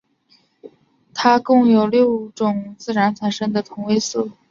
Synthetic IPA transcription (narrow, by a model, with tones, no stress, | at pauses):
t̪ʰa˥kʊ˥˩ŋjo˨˩ʊljo˥˩ʊʈ͡ʂʊ˨˩ŋt͡sɹ̩˥˩ɻa˧˥nt͡sʰa˨˩nʂɤ˥ŋd̪ə˨t̪ʰʊ˧˥ŋwe˥ɪs̩˥˩